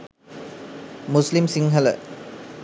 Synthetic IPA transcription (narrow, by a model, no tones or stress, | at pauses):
muslimsiŋɦɐlɐ̰